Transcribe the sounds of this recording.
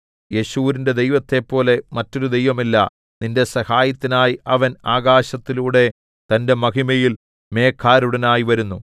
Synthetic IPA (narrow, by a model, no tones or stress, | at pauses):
je̞ɕuːɾinde̞d̪e̞jʋɐt̪ːe̞pːo̞ːle̞mɐtːo̞ɾud̪e̞jʋɐmilːɐ̰ | ninde̞sɐhaːjɐt̪ːinaːjiʔɐʋɐnaːɡaːɕɐt̪ːiluːɽe̞ | t̪ɐnde̞mɐɦimɐjil | me̞ːkʰːaːɾuɽɐnaːjiʋɐɾunːu